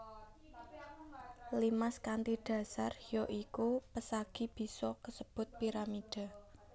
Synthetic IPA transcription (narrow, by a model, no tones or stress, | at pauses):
limaskant̪id̥ä̤sarjɔʔikupəsaɡ̥i̤b̥i̤sɔkəsəb̥ʊ̤t̪̚piɾamid̥a̤